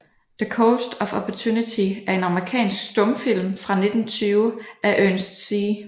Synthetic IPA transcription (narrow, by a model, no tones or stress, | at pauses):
ð̥əkʰoʊsd̥ɒ̽fɒpʰɒt͡sʰuːnit͡sʰiæɐe̝nɑ̈məʁikʰɛ̰ːnsɡ̥sd̥ɔ̽mfil̰mfʁɑ̈ne̝d̥n̩t͡sʰyːʊæʔønsd̥siː